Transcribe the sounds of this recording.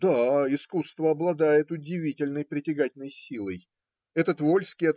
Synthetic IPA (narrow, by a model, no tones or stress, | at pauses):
d̪aɪskust̪vəɐblˠɐd̪ajɪt̪ʊdʲɪvʲitʲɪlʲnəjpɾʲɪtʲɪɡatʲɪlnəjsʲilˠəj | ɛt̪ət̪volʲskʲɪjɐt̪